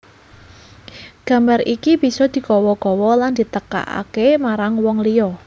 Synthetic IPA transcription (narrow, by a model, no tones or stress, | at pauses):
ɡ̥a̤mbaɾikib̥i̤sɔd̪̥i̤kɔwɔɡɔwɔland̪̥i̤t̪əka̰ʔa̰kemaɾaŋwɔŋliɔ